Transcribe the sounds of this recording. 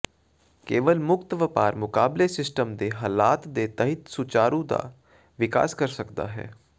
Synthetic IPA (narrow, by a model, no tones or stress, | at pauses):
keːʋəlmʊkt̪ʋəpaːɾmʊkaːblesɪsʈəmd̪eːɦaːlaːt̪d̪eːt̪əɦɪt̪sʊt͡ʃaːɾũːd̪a̰ː | ʋɪka̰ːskəɾsəkd̪a̰ːɦɛ̰ː